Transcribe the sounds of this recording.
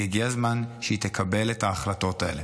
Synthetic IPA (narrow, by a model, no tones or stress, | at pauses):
iɡiazmanʃeit̪ekʰabe̞lethaːχlato̞tae̞̰le